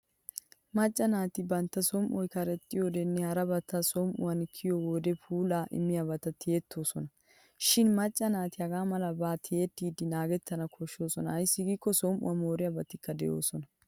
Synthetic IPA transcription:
mɐt͡ʃʼːɐnaːt̪ɪbɐnt̪ːɐsɔmʔɔjkɐɾɛt̪ʼːɪjod̪ɛnːɛhɐɾɐbɐt̪ːɐsɔmʔʊ̰wɐnkʰːɪjowoːd̪ɛfʰuːlaːʔɪ̰mːɪjɐbɐt̪ɐt̪ʰɪet̪ʰːoːsɔnɐ | ʃɪnmɐt͡ʃʼːɐnaːt̪ɪhɐɡaːmɐlɐbaːt̪ʰɪet̪ːiːd̪ɪnaːɡɛt̪ːɐnɐkʰɔʃːo̞ːsɔnɐɐjsːɪɡiːkːɔsɔmʔʊ̰wɐnmoːɾɪjɐbɐt̪ːɪkːɐd̪ɛjo̞̰ːsɔnɐ

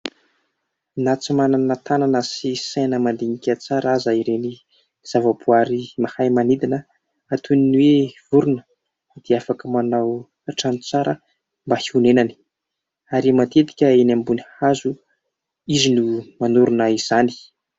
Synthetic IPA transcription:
nat͡simananət̪ananəsisajnəmand̪iɲikʲat͡saɾazaiɾeni | z̥avabuaɾimahajmanid̪inə | at̪uniniwev̥uɾunə̥ | d̪̥eafakəmanaw | aʈ͡ʂant͡saɾə | mbahiunenani̥ | aɾimat̪et̪i̥kʲəenambunihazu | izinumanuɾunəiz̥ani̥

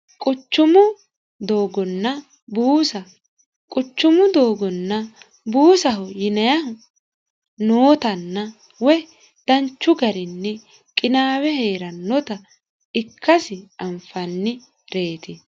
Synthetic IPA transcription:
kʼʊt͡ʃːʊmʊ | d̪o̞ːɡɔnːɐ | buːsɐ | kʼʊt͡ʃːʊmʊd̪oːɡɔnːɐ | buːsɐɦʊjɪnɐjɐhʊ | noːt̪ɐnːɐ | wɛ | d̪̥ɐnt͡ʃːʊɡɐɾɪnːɛ | kʼɪnaːwɛhe̞ːɾɐnːɔt̪ɐ | ɪkʰːɐsɪɐmfɐnːɪ | ɾe̞ːt̪ɪ

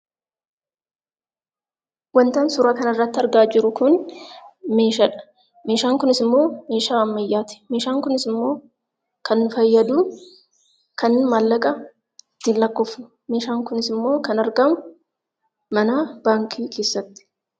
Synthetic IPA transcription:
wɐnt̪aːnsʊɾaːkɐnɐrːɐt̪ːɐɾɡaːd͡ʒɪɾʊkʊn | me̞ːʃɐᶑɐ̥ | me̞ːʃaːŋkʊnɪsɪmːo̞ːme̞ːʃaːɐmːɐjːaːt̪ɪ̥meːʃaːŋkʊnɪsɪmːo̞ː | kɐnːʊfɐjːɐd̪uː | kɐnːmaːlːɐkʼɐ | t̪ːɪnlːɐkːɔfʊ | me̞ːʃaːŋkʊnɪsɪmːo̞ːkɐnɐɾɡɐmʊ | mɐnab̥aːŋkʰiːkʰe̞ːsːɐt̪ːɪ̥

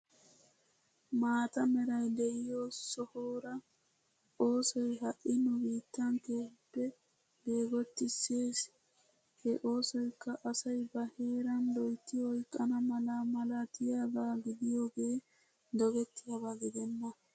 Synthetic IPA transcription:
maːt̪ɐmɛɾɐjd̪ɛɪjoːsɔhoːɾɐ | ʔo̞ːsɔjɦɐʔːɪnʊbiːt̪ːɐŋkeːhpːɛ | be̞ːɡɔt̪ːɪsːe̞ːs | hɛʔo̞ːsɔjkːɐʔɐsɐjbɐhe̞ːɾɐnd̪ɔjt̪ːɪhɔjkʼːɐnɐmɐlamɐlat̪ɪjaːbaːɡɪd̪ɪjo̞ːɡeː | d̪ɔɡɛt̪ːɪjɐbaɡɪd̪ɛnːɐ

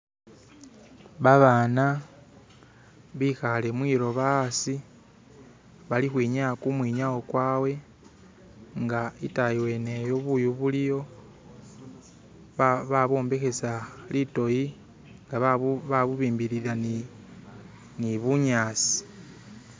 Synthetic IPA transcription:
βaβaːna | βixale̞mwiːɾo̞βasi | βalixwiːɲakumwiːɲawokwaːwe̞ | ŋɡaitajiwe̞nejo̞βujuβulijo̞ | βaβo̞ːmbe̞xe̞salito̞ji | ŋɡaββaβuβiːmbiɾiɾan | niβuɲaːsi̥

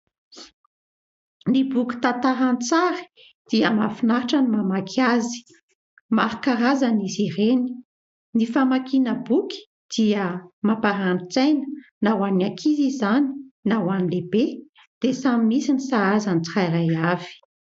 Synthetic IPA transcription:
nibuki̥t̪at̪aɾant͡saɾi̥ | d̪̥iəma̰finaɾiʈ͡ʂənimamakʰazi̥ | maɾikaɾazanizireni̥ | nifamakinəbuki̥ | d̪̥iəmapaɾant͡sajnənawaniakʰizizani̥nawanilebe | d̪̥esamimisinisaazanit͡siχajɾajavi̥

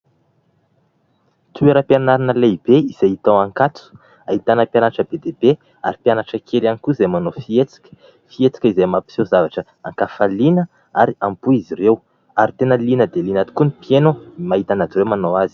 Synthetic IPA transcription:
t̪ueɾəpianaɾinəleb̥eiz̥ejit̪owaŋkat͡su̥ | aɦit̪anəpjanaʈ͡ʂəbed̪eb̥e | a̰ɾipianaʈ͡ʂəkʰelanikuizejmanofiet͡si̥kʲə̥ | fiet͡si̥kʲəizemapi̥sozavaʈ͡ʂə | a̰ŋkafalinə | aɾiampuizirew | aɾit̪enəlinəd̪elinat̪u̥kunipjenomaɦit̪anazɾewmanowazi̥

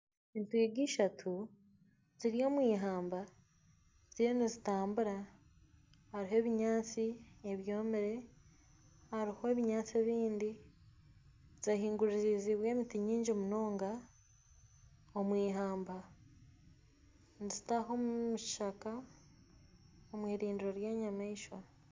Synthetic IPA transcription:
intwiːɡiʃatʰu | ziɾijo̞ːmwiːɦaːmba | ziɾenizitaːmbuɾa | haɾiɦo̞ːβiɲaːt͡sieβjo̞ːmeɾe̞ | haɾiho̞eβiɲaːt͡sie̞βiːndi | zahiːŋɡuɾiɾiziβwe̞ːmitiɲiːɲd͡ʒomuno̞ːŋɡa | omwiːɦaːmba | nzitaɦo̞mumuʃaka | omwiːɾiːndiɾoɾjeːɲamaiʃwa

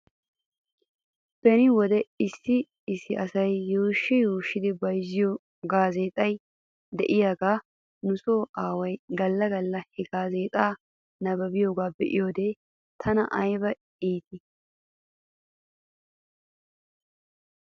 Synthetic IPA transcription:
b̥ɛnɪwɔd̪ɛɪsːɪ | ɪsːɪʔɐsɐjːoːʃːɛjuːʃːɪd̪ɪbɐjzːɪjo | ɡaːze̞ːt̪ʼɐj | d̪ɛʔɪjaːɡaː | nʊsoːʔaːwɐjɡɐlːɐɡɐlːɐhɛɡaːzeːt̪ʼaː | nɐbɐbɪjoːɡaːbɛʔɪ̰jo̞ːd̪eː | t̪ʰɐnɐʔɐjbɐ | iːt̪ɪ

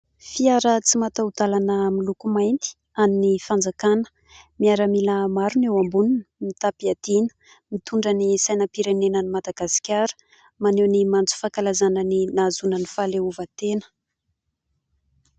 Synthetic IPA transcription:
fiaɾət͡simat̪aud̪alanəmilukumajnt̪i̥ | aminifand͡zakanə̥ | miaɾamiləmaɾunewambununəmit̪apiad̪̥inə̥ | mit̪uɳɖ͡ʐənisajnəpiɾenenənimad̪aɡasi̥kʲaɾə̥ | manewnimant͡su̥fakalazanəninazunənifaleuvat̪enə̥

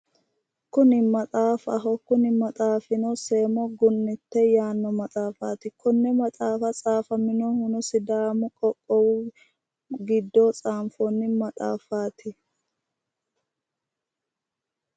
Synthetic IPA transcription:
kʊnɪmɐt̪ʼaːfɐ̰ɦɔkʊnɪmɐt̪ʼaːfɪnɔseːmɔɡʊnːɪt̪ːɛjaːnːɔmɐt̪ʼaːfaːt̪ɪkʊnːɛmɐt̪ʼaːfɐt͡sʼaːfɐmɪnɔhʊnɔsɪd̪aːmʊkʼɔkʼːɔw | ɡɪd̪ːɔt͡sʼaːmfɔnːɪmɐt̪ʼa̰ːfaːt̪ɪ

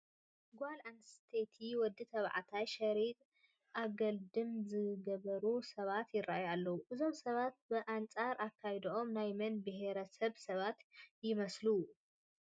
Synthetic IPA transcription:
ɡʷalanst̪ʰet̪ʰiwɔd̪ːɨt̪ʰɐβʕa̰t̪ʰajʃɐɾit̪ʼ | ʔaɡɐld̪ɨmzɨɡɐβɐɾusɐβat̪jɪrːa̰ʔajalːɐwuʔɨzo̞msɐβat̪̚bɨʔant͡sʼaɾʔakʰːajd̪iomnajmɐnbɨɦeɾɐsɐβsɐβat̪jɪmɐslu

